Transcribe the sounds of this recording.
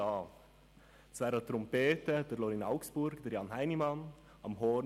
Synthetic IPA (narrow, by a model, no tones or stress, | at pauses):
ɑː | t͡sʋæːɾət̪ɾɔmpeːtəd̥əɾlɔɾinaʊksb̥ʊɾɡd̥̪əɾjɑːnɦaɪnimɑn | ɑmɦɔ